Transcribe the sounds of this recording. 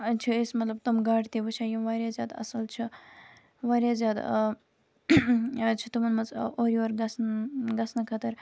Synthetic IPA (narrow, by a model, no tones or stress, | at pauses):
t͡ʃʰiesmɐt̪lɐb̚t̪umɡaːʈt̪eʋət͡ʃʰaːjimʋaːɾʲjazjaːd̪ɐ̰sɐlt͡ʃʰi | ʋaːɾʲjaːzʲjaːd̪ | t͡ʃʰit̪umɐnmɐzoːɾiʋɐɾɡɐsnɡɐsnɐkʰɐt̪ɐɾ